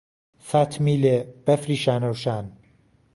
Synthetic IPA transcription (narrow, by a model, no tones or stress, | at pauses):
sat̪ʰmiːleb̥ɛfɾiːʃaːnɐwʃaːn